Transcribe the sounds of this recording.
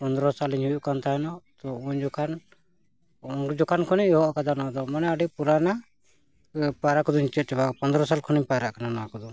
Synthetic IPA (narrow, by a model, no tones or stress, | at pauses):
pɔnd̪ɾɔsaliɲɦujuʔkant̪aɦɛnɔt̪ɔuɲd͡ʒɔkʰan | und͡ʒɔkankʰɔniɲɔɦɔʔkad̪anad̪ɔmanɛaɖipuɾana | paɾakɔd̪ɔɲit͡ʃɔt͡ʃɛbapɔnd̪ɾɔsalkʰɔniɲpaɾaʔkananɔakɔd̪ɔ